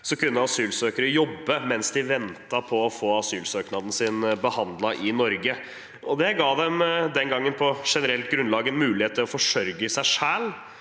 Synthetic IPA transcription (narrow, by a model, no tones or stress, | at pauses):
sɔkʉnːəɑsyːlsøːkəɾəjɔbːəmɛnsd̪ɪʋɛnt̪ɑpʰɔɔfoːɑsyːlsøːknɑd̪n̩sɪnbəhɑnd̪lɑʔɪnɔɾɡə | ɔd̪ɛɡɑːd̪ɛmd̪ɛnɡɑŋːənpʰɔʂɛnəɾɛlt̪ɡɾʉnlɑːɡənmʉːlɪheːt̪ʰːəɾɔfɔʂœɾɡəsæɪʂæːl